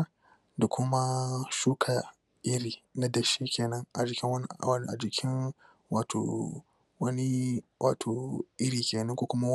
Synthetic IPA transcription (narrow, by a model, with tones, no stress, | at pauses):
da˨kʷʰʊ˦ma˦ʃuː˦kʰa˨ | ʔɪ˦ɾiː˨na˦dɐ˨ʃiː˦kʲeː˨nɐ˦ŋʔa̰˨d͡ʒɪ˨kʲɪ˦ŋwɐ˦n˦˨ɐ˦ni˦ʔa˨d͡ʒɪ˨kʲʰɪ˦n | waː˨tʰo̰ː˨ | wɐ˦ni˦wa̰ː˨tʰoː˨ʔɪ˦ɾiː˨kʲʰeː˨nɐ˦ŋkʷoː˦kʷʊ˦ma˦